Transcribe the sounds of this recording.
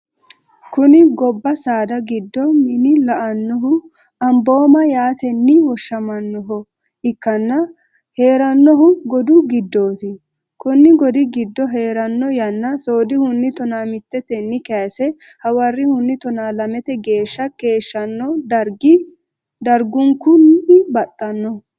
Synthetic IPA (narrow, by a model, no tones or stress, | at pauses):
kʊnɪɡɔbːɐsaːd̪ɐɡɪd̪ːɔmɪnɪlɐʔɐnːɔɦʊ | ɐmbo̞ːmɐjaːt̪ɛnːɪwɔʃːɐmɐnːɔɦɔ | ɪkːɐnːɐ | he̞ːɾɐnːɔɦʊɡɔd̪ʊɡɪd̪ːo̞ːt̪ɪ | kʊnːɪɡɔd̪ɪɡɪd̪ːɔɦe̞ːɾɐnːɔjɐnːɐsoːd̪ɪhʊnːɪt̪ɔnaːmɪt̪ːɛt̪ɛnːɪkɛsɛ | hɐwɐrːɪhʊnːɪt̪ɔnaːlɐmɛt̪ɛɡe̞ːʃːɐke̞ːʃːɐnːɔd̪ɐɾɡɪ | d̪ɐɾɡʊŋkːʊnɪbɐt̪ʼːɐnːɔ